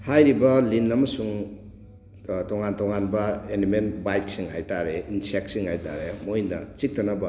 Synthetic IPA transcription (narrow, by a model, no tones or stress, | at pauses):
hajɾibɐlinːamɐsuŋ | tɔŋantɔŋanbɐenimenbajk̚siŋɦajtaɾeinsek̚siŋhajta̰ɾemojnɐ̰t͡ʃik̚tɐnabɐ